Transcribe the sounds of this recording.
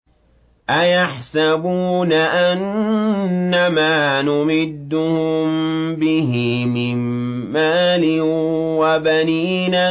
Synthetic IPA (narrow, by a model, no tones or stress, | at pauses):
ʔajaħsabuːnaʔanː | amaːnʊmɪd̪ːʊhʊmbɪɦɪmɪmː | aːlɪwabaniːna